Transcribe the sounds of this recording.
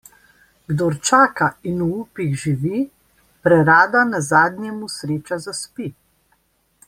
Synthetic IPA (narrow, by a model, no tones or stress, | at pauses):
ɡd̪oɾt͡ʃaːkainuupiɣʒiʋi | pɾɛɾaːd̪anazaːd̪njɛmusɾeːt͡ʃazaspi